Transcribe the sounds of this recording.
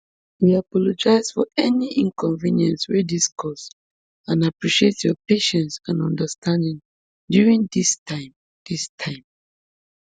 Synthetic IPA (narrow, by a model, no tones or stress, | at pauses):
wiapɔlɔd͡ʒaɪzdfɔɛniʔĩŋkɔ̃ɱvĩnjɛ̃nswɛdiskʰɔs | ãnapɹiʃietjɔpeʃɛ̃nsãnɔ̰̃ndəstʰãndĩŋ | djuɹĩŋd̪istʰãɪ̃m | d̪̥istʰãɪ̃m